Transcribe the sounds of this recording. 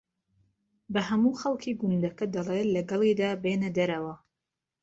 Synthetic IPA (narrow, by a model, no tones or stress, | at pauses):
bɐɦɐmuːxɐlˠkʰiːɡʊnd̪ɐkɐd̪ɐlˠeːlɐɡɐlˠiːd̪aːbeːnɐd̪ɐɾɐwɐ